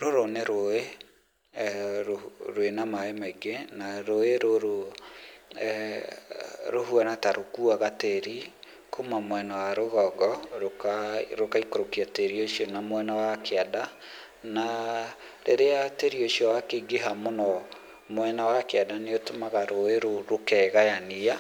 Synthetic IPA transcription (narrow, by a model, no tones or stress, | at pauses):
ɾoɾoneɾoe | ɾoɾwenamaemaiɡenaɾoeɾoɾo | ɾoɦuanataɾʔokuaɣateɾi | komamwɛnawaɾoɣɔɡɔɾokaɾokaikoɾokiateɾioʃiɔnamwɛnawakeada | na | ɾeɾeateɾioʃiɔwakeɡeɦamonɔ | mwɛnawakeadaneotomaɣaɾoeɾoɾokɛɣajania